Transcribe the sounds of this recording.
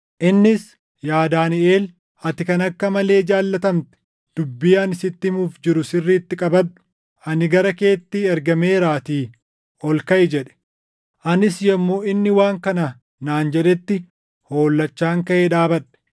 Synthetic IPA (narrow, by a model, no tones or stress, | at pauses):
ʔɪnːɪs | jaːd̪aːnɪeːl | ɐt̪ɪkɐnɐkːɐmɐle̞ːd͡ʒaːlːɐt̪ɐmt̪ɛ̥ | d̪̥ʊbːɪjaɐnɪsɪt̪ːɪmuːfd͡ʒɪɾʊsɪrːiːt̪ːɪkʼɐbɐᶑʊ̥ | ʔɐnɪɡɐɾɐke̞ːt̪ːiːɛɾɡɐmeːɾaːt̪iː | ɔlkɐʔɪd͡ʒɛᶑɛ̥ | ʔɐnɪsjɛmːo̞ːɪnːɪwaːŋkɐnɐ | naːnd͡ʒɛᶑɛt̪ːɪ | ho̞ːlːɐt͡ʃːaːŋkɐʔeᶑaːbɐᶑɛ̥